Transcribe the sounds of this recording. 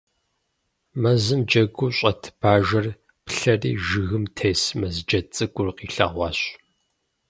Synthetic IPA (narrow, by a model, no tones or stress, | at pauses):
mɐzɨmd͡ʒɐɡʷuːɕʼɐtʰb̥aːʒɐr | pɬɐrḭːʒɨɣɨmtʰeːsmɐzd͡ʒɐt͡sʼɨɡʷʼʊrqiːɬɐ̰ʁʷɑːɕ